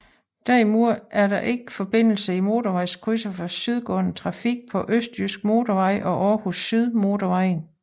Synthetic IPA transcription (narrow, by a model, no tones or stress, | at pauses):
d̥æɐimuɐ̰ʔæɐɾɑ̈ʔe̝ɡ̥əfɒ̽b̥e̝n̰l̩səimo̝ːt͡soʋɑ̈ɪskʰʁysəfɑsyð̞ˠɡ̥ɔ̰n̩t͡sʰʁɑ̈fiɡ̥̚pʰɒ̽ʔøsd̥ysɡ̥̚mo̝ːd̥oʋɑ̈ɪ̰ʔɒ̽ʔɒːhusːyð̞ˠmo̝doʋɑ̈ɪn